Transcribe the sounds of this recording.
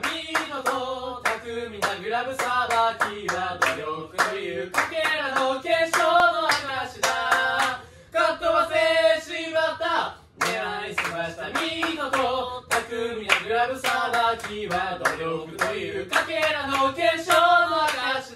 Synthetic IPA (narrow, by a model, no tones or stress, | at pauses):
mʲinot̪ot̪akɯ̟mʲinaɡɯ̟ɾabɯ̟sabakʲiβat̪ojokɯ̟t̪ojɯ̟kakeɾanokeɕonohaɡaɕid̪a | kat̪ːoβaseɕiɡat̪ːa | meaisɨmaɕi̥t̪amʲinot̪ok̪akɯ̟mʲinaɡɯ̟ɾabɯ̟sabakʲiβat̪ojokɯ̟t̪ojɯkakeɾanokeɕonoaɡaɕi̥